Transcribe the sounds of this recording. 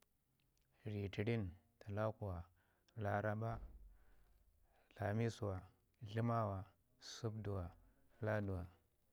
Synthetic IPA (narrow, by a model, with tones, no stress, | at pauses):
ɾi˨ti˨ɾi˦nta˨la˦ku˨wa˨ | la˨ɾa˦ba˦ | ɬa˨mi˦su˨wa˨ | ɮi˦ma˦wa˨ | su˦bdu˨wa˨ | la˦du˨wa˨